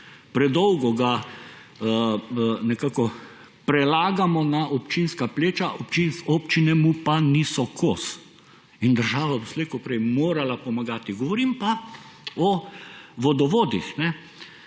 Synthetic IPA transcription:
pɾɛd̪ɔwɡɔɡa | nɛkaːkɔ | pɾɛlaːɡamɔnaʔɔpt͡ʃinskapleːt͡ʃaʔɔpt͡ʃinsoːpt͡ʃinɛmupaniːsɔkʰoːs | ind̪əɾʒaːʋabɔsleːkɔpɾɛjmoːɾalapɔmaɡaːt̪iɡɔʋɔɾiːmpa | ɔʋɔd̪ɔʋoːd̪ixnɛ

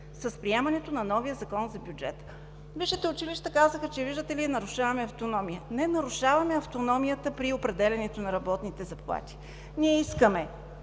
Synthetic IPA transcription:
səspɾiɛmɐnɛt̪onɐnɔvijəzɐkɔnzɐbʲjud͡ʒɛ̰t̪ə̥ | viʃit̪ɛʊt͡ʃiliʃt̪əkazəxət͡ʃɛviʒd̪ət̪ɛliɛnɐɾʊʃavɐmɛɐft̪onɔmijənɛnɐɾʊʃavɐmɛɐft̪onɔmijət̪əpɾiopɾɛd̪ɛlʲɛnɛt̪onɐɾɐbɔt̪nit̪ɛzɐplˠa̰t̪i̥ | nʲiɛiskəmɛ

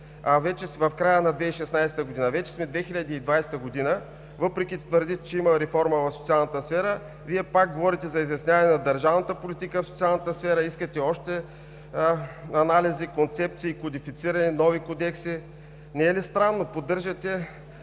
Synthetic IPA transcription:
avɛt͡ʃɛvɐfkɾajənɐd̪vɛiʃɛsnajsɛt̪əɡod̪inəvɛt͡ʃɛ̥smɛd̪vɛxiʎʲəd̪iːd̪vajsɛ̥t̪əɡod̪inə | vɤpɾɛkʲit̪vəɾd̪it̪ɛt͡ʃɛimɐɾɛfɔɾməvɐfsot̪sialˠnət̪əsfɛɾə | viɛpak̚ɡovɔɾit̪ɛzɐizjɐsnʲjavɐnɛnɐd̪əɾʒavnət̪əpolit̪ikəfsot̪sialˠnət̪əsfɛɾəiskət̪ɛɔʃt̪ɛ | ɐnalizikont̪sɛp̚t̪siːkod̪ifit̪siɾɐninɔvikod̪ɛksi | nɛːlist̪ɾanːopod̪ːɤɾʒɐt̪ɛ

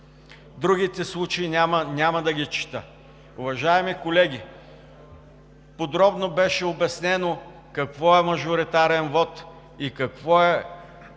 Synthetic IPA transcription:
d̪ɾuɡ̟it̪ɛslˠut͡ʃeiamənʲamɐd̪ɐɡʲit͡ʃi̥t̪ə | ʊvɐʒaɛmikolɛɡʲi | pod̪ɾɔbnobɛʃɛobɛsnɛno | kɐkvɔɛmɐʒʊɾit̪aɾɛnvɔt̪ | ikɐkvɔɛ

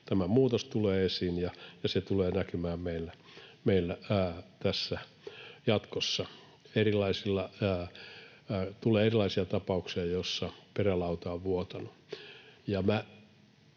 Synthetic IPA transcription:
t̪æmæmuːt̪ost̪uleːesinjɑjɑset̪uleːnækymæːmmeilːæmeilːæːt̪æsːæ | jɑt̪kosːɑ | erilˑɑisilːɑ | t̪uleːerilɑisiɑt̪ɑpɑuksiɑjosːɑperælɑut̪ɑoʋʋuot̪ɑnu | jɑmæ

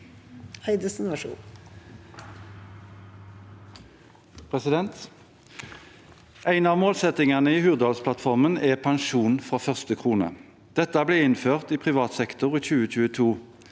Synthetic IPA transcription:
hœɪd̪əsn̩ʋæʂṵːn | pʰʁɛsɪd̪ɛnt̪ | ʔæɪnɑːʋmoːlsɛt̪ɪŋɑnəiːhʉːʁd̪ɔlspʰlɑt̪fɔʁmənɛːpʰɑŋʃuːnfʁɑːfœʁst̪əkʰʁuːnə̰ | d̪̥ɛt̪əæbleːɪnføːʁt̪iːpʰʁɪʋɑːt̪sɛkt̪ʊʁiːçʉːəc͡çʉːət̪ʰuː

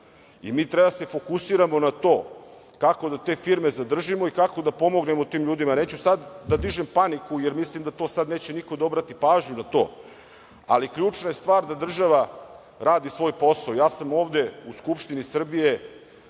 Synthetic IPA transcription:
ḭmiːt̪ɾebase̞fo̞kusiːɾamo̞nat̪o̞ː | kako̞d̪at̪e̞ːfiɾme̞zad̪r̩ʒimo̞ikako̞d̪apo̞mo̞ɡne̞mot̪iːmʎuːd̪imane̞ːt͡ɕusad̪ːad̪iʒempanikujeɾmislimd̪at̪o̞ːsad̪ne̞ːt͡ɕenikod̪o̞bɾat̪ipaːʒɲunat̪o̞̰ː | a̰likʎuːt͡ʃnajest̪ʋaːɾd̪ad̪r̩ʒaʋa | ɾaːd̪isʋo̞ːjpo̞saojaːsamo̞ːvd̪e̞uskupʃt̪inisr̩bije̞

